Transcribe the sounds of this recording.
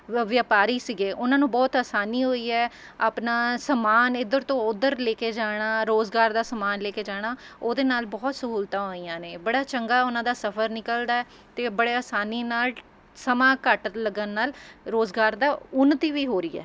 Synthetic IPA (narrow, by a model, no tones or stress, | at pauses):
ʋjaːpaːɾiːsɪɡeːʔʊnãːnũːbɔːt̪aːsaːniːɦoːiːɛː | aːpnaːsəmaːnɪd̪əɾt̪õːʊd̪əɾleːkeːd͡ʒaːɽ̃aːɾoːzɡaːɾd̪aːsəmaːnleːkeːd͡ʒaːɽ̃aːoːd̪eːnaːlbɔːt̪səɦuːlt̪ãːɦoːiːjãːneːbəɽaːt͡ʃəŋɡaːʊnãːd̪aːsəpʰəɾnɪkəld̪aːɛː | t̪eːbəɽeːaːsaːniːnaːl | səmãːkəʈləɡənːaːlɾoːzɡaːɾd̪aːʊnːət̪iːʋiːɦoːɾiːɛ̰ː